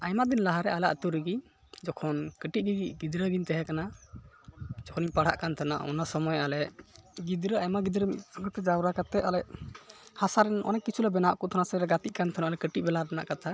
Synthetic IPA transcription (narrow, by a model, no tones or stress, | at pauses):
ajmad̪inlaɦaɾɛʔala̰ʔət̪uɾiɡi | d͡ʒɔkʰɔnkəʈiɡiɡiɡid̪ɾəɡiɲt̪ɛɦɛkana | d͡ʒɔkʰɔnipaɽ̤a̰ʔkant̪ʰana̰ʔɔ̰nasɔmɔjalɛʔɡid̪ɾəajmaɡid̪ɾəmiɔɡt̪ɛd͡ʒawɾakat̪ɛʔalɛʔhasaɾɛnʔɔ̰nɛʔkːit͡ʃʰulɛbɛnaʔkɔt̪ʰanasəɾɛɡat̪iʔ̚kant̪ʰanaʔalɛkəʈiʔ̚bɛlabɛna̰ʔkat̪ʰa